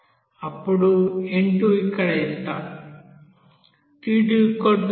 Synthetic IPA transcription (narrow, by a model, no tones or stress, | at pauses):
ɐpːuɽueɳʈuikːɐɽɐist̪aː | tiɖikoɖ